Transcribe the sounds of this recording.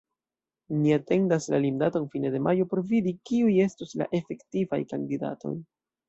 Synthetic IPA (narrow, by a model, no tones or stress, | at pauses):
niate̞ndaslalimdato̞nfine̞de̞mʔajo̞po̞ɾvidikiuje̞stusla̰ʔe̞fe̞ktiva̰jkandida̰to̞̰j